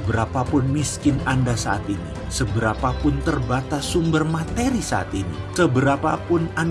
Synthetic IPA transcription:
bəɾapapʊnmiskɪnandasaat̪inḭ | səbəɾapapʊnt̪ərbat̪asumbərmat̪eɾisa̰a̰t̪inḭsəbəɾapapʊnan

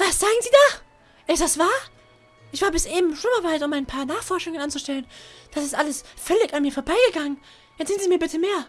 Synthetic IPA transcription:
vasz̥aːɡŋ̩ziːdaː | ʔɪtd̥asv̥aːɐ | ʔɪçv̥aːɐbɪsʔeːbm̩ʃʊməɐvaɪtʊmaɪnpʰaːɐnaːχfɔɐʃʊŋənʔant͡suʃtɛlənd̥asɪstʔaləsfœlɪçanmiːɐfoːɐbaɪɡəɡaŋən | jɛt͡ssz̥ɪntz̥iːmiːɐbɪtʰəmeːɐ

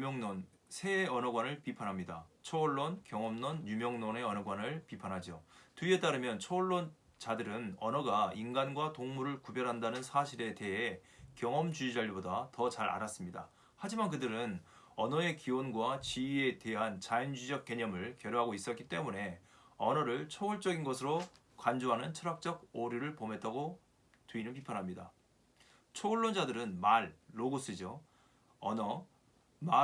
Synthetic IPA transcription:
mŋnon | sʰe̞ʌnʌɡwanɯɭpipʰanɦamɲidat͡ɕʰʌːɭːonkjʌŋʌmnonjumjʌŋnone̞ʌnʌɡwanɯɭpipʰanɦad͡ʑiotue̞t͈aɾɯmjʌnt͡ɕʰʌʌɭːon | t͡ɕadɯɾɯnʌnʌɡainɡanɡwatoŋmuɾɯɭkubjʌɾɦandanɯnsʰaɕʰiɾe̞te̞ɦe̞kjʌŋʌmd͡ʑuid͡ʑaɭbodatʌt͡ɕaɾa̰ɾas͈ɯmɲida | had͡ʑimank̬ɯdɯɾɯn | ʌnʌe̞kiwʌnɡwat͡ɕiɥie̞te̞ɦant͡ɕaind͡ʑud͡ʑʌk͈̚e̞ɲʌmɯɭkjʌɾjoɦaɡois͈ʌtk͈it͈e̞mune̞ʌnʌɾɯɭt͡ɕʰoɡɯɭt͡ɕ͈ʌɡinɡʌsʰɯɾo | kand͡ʑoɦanɯnt͡ɕʰʌɾak̚t͡ɕ͈ʌɡ̚oɾjuɾɯɭpome̞t͈aɡo | tuinɯnpʰipʰjʌnɦamɲida̰ | t͡ɕʰoɡɯɭːond͡ʑadɯɾɯnmaɭːoɡos͈ʰid͡ʑo | ʌnʌ | ma

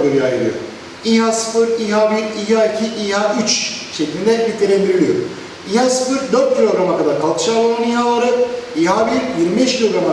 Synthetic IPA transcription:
d̪eɾɯajɯɾˠɯ̰jo̰ | iɦaːsɯ̥fɯɾiɦaːbiɾiɦaicʰiʔiɦaːʔyt͡ʃʃecʲlʲind̪ɛbit̪ʰeɾend̪iɾilʲijo̰ɾ | iɦaːsɯ̥fɯɾd̪ø̞ɾt̪̚cʰilʲo̞ɡɾamakad̪aɾkʰalˠk̪ʰɯ̥ʃaːlˠalˠɯniɦalˠaɾɯiɦaːbiɾjiɾmibeʃcʲʰilʲo̞ɡɾama

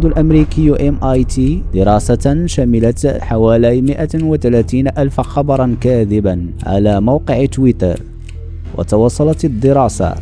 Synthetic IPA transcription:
d̪ʊlʔamɾiːkɪjːʔemʔajt̪id̪ɪɾˤɑːsaʃamɪlaħawaːlajmɪʔawat̪alaːt̪iːnaʔalfaxɑbɑɾˤɑnkaːd̪ɪbanʕa̰laːmawqɪʕɪt̪ːwɪt̪ɑ̰ɾˤ | wʔa̰t̪ɑwɑsˤːɑlɑt̪d̪ːɪɾˤɑːsa̰

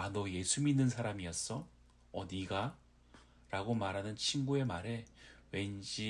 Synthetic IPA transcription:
anoje̞sʰuminːɯnsʰaɾamiʌs͈ʌ | ʌdiɡa | ɾaɡomaɾɦanɯnt͡ɕʰinɡue̞maɾe̞we̞nd͡ʑi

